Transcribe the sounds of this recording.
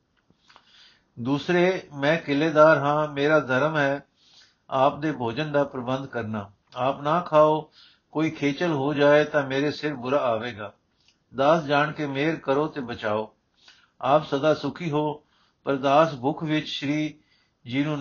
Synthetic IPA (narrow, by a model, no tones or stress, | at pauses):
d̪uːsɾeːmɛ̃ːkɪleːd̪aːɾɦãːmeːɾaːd̪ʱəɾəmɦɛː | aːp̚d̪eːbʱoːd͡ʒənd̪aːpɾəbənd̪kəɾnaː | aːpnaːkʰaːoː | koːiːkʰeːt͡ʃəlɦoːd͡ʒaːeːt̪ãːmeːɾeːsɪɾbʊɾaːaːʋeːɡaː | d̪aːsd͡ʒaːɳkeːmeːɾkəɾoːt̪eːbət͡ʃaːoː | aːpsəd̪aːsʊkʰiːɦoː | pəɾd̪aːsbʊkʰʋɪt͡ʃʃɾiː | d͡ʒiːnũː